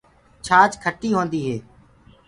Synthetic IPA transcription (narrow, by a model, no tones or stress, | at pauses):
t͡ʃʰaːt͡ʃkʰəʈʰːiːɦõːnd̪iːɦeː